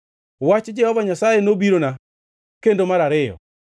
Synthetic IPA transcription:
wat͡ʃd͡ʒɛhɔvaɲasajenobiɾona | kendomaɾaɾɪjɔ̰

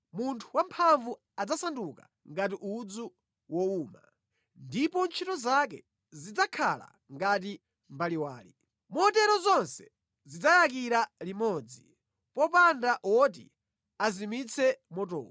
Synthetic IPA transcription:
muntʰuwampʰaɱvu | ad͡zasanduka | ŋɡat̬iʔud͡zu | wɔuːma̰ | ndipɔnt͡ʃʰitɔzak̬ɛ̰ | zid͡zakʰala̰ | ŋɡat̬i | mbaliwaːli | mɔtɛɾɔzɔnsɛ | zid͡zajak̬iɾalimɔd͡zi | pɔpandaʔɔt̬ḭ | azimit͡sʰɛmɔtɔ̰ːw

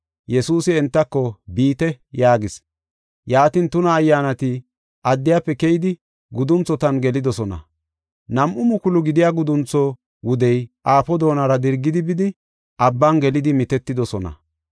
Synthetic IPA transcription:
jɛsuːsɪɛnt̪ːɐkːɔbiːt̪ɛjaːɡɪs | jaːt̪ɪnt̪ʊnɐːjːaːnɐt̪ɪ | ʔɐd̪ːɪjapːɛkɛjɪd̪ɪ | ɡʊd̪ʊnt͡sːɔt̪ɐnɡɛlɪd̪ɔsɔnɐ̰ | nɐmʔʊmʊkʊlʊɡɪd̪ɪjaːɡʊd̪ʊnt͡sːɔ | wʊd̪ɛjʔaːpɔd̪o̞ːnɐɾɐd̪ɪɾɡːɪd̪ɪbɪd̪ɪ | ʔɐbːɐnɡɛlɪd̪ɪmɪt̪ɛt̪ːɪd̪ɔsɔnɐ̰

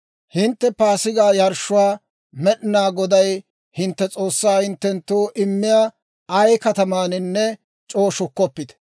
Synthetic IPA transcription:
hɪnt̪ːɛpaːsɪɡaːjɐɾʃːʊwaː | mɛɗɪnaːɡɔd̪ɐj | hɪnt̪ːɛt͡sʼo̞ːsːaːhɪnt̪ːɛnt̪ːoːʔɪmːɪjaː | ɐjkɐt̪ɐmaːnɪnːɛ | t͡ʃʼo̞ːʃʊkːɔpːɪd̪ɛ̥

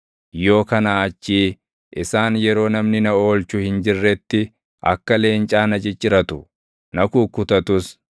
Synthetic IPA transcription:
jo̞ːkɐnaːɐt͡ʃːiː | ʔɪsaːnjɛɾo̞ːnɐmnɪnɐo̞ːlt͡ʃʊhɪnd͡ʒɪrːɛt̪ːɪ | ʔɐ̰kːɐle̞ːnt͡ʃʼaːnɐt͡ʃʼɪt͡ʃʼːɪɾɐt̪ʊ | nɐkuːkːʊt̪ɐt̪ʊs

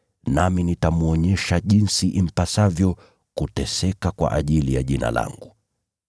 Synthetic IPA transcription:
naminitamuɔɲɛʃaʄinsiʔim̩pasavjɔ | kutɛsɛkakwa̰ʔaʄilijaʄina̰la̰ŋɡu

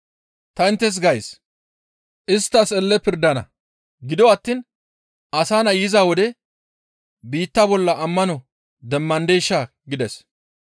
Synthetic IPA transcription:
t̪ɐɪnt̪ːɛs̬ɡɐjs | ʔɪst̪ːɐsɛlːɛpɪɾd̪ɐnɐ̰ | ɡɪd̪ɔwɐt̪ːiːn | ɐsaːnɐjɪzaːwɔd̪ɛ | biːt̪ːɐbɔlːɐʔɐmːɐnɔ | d̪ɛmːɐnd̪e̞ːʃːa | ɡɪd̪ɛs

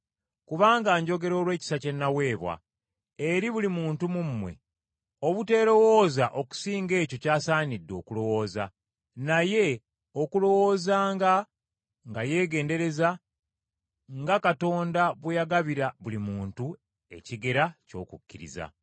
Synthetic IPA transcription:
kuβaːŋɡaːɲɟo̞ɡe̞ɾo̞ːlwe̞ːci̥sace̞nːawe̞ːβwa̰ | e̞ɾiβulimuːntumumːwe̞̰ | o̞βute̞ːɾo̞wo̞ːzaʔo̞ku̥siːŋɡe̞ːco̞caːsaːnidːo̞ːkulo̞wo̞ːza | naje̞ | o̞kulo̞wo̞ːzaːŋɡa | ŋɡaje̞ːɡe̞ːndeɾe̞za | ŋɡakato̞ːndaβwejaɡaβiɾaβulimuːntu | e̞̰ciɡe̞ɾaco̞ːkukːiɾḭza̰

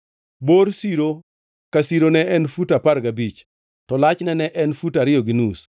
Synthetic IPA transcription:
boɾsiɾo | kasiɾonɛʔɛnfutapaɾɡabit͡ʃ | tɔlat͡ʃnɛnɛʔɛnfutaɾɪoɡinus

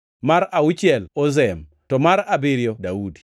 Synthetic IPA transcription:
maɾaut͡ʃjɛlɔzɛm | tɔmaɾabɪɾjɔdaudi̥

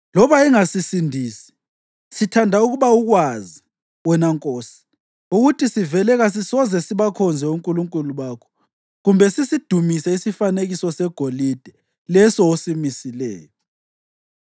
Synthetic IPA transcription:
lɔβaiŋasisindʱiːsi̥ | sitʰandʱauɣuβauɣwazi | wɛnaŋkʼoːsi̥ | uɣutʰisivɛlɛɣas̬isɔzɛsiβakʰɔnd͡zʱɛuŋkʼuluŋkʼuluβaːkʰɔ̥ | ɣumbʱɛsisid̥ʱumisɛisifaneɣisɔsɛɡ̥ʱolid̥ʱɛ | lɛsɔosimisilɛ̰ːjɔ

